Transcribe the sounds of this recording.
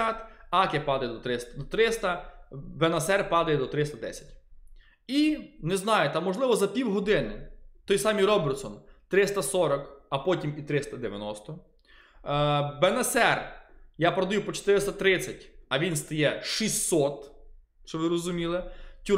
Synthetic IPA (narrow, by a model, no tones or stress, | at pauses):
at̪ɑkʲɛpɑd̪ɐjɛd̪ɔt̪ɾɪst̪ɐd̪ɔt̪ɾɪst̪ɐbenɐsɛrpɑd̪ɐjɛd̪ɔt̪ɾɪst̪ɐd̪ɛsʲɐ̥tʲ | inɛznɑjɛt̪ɑmːɔʒlˠɪʋɔzɐpʲiwɦɔd̪ɪnɪt̪ɔjsɑmʲiɾɔbert̪sɔnt̪ɾɪst̪ɐsɔɾɐkɐpɔtʲimit̪ɾɪst̪ɐd̪eʋjɐ̰nɔst̪ɔ | bɛnɐsɛrjapɾɐd̪ɐjupɔt͡ʃe̥t̪ɪɾɪst̪ɐt̪ɾɪt͡sʲːɐtʲɐʋʲinst̪ɐjɛʃisʲːɔt̪ | ʃt͡ʃɔʋɪɾɔzʊmʲilˠɪtʲu